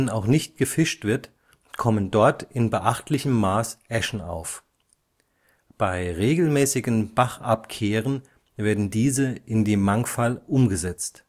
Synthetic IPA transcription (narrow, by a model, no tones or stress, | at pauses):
naʊχnɪçt̚ɡ̥əfɪʃtv̥ɪɐt | kʰɔməndɔɐtɪnbəʔaχtlɪçəmːaːsʔɛʃn̩a̰ʊf | b̥aɪʁeːɡl̩mɛːsɪɡənb̥aχʔapkʰeːʁ̞ən | veːɐdn̩diːzəʔɪndeːmːaŋfalʔʊmɡəzɛt͡st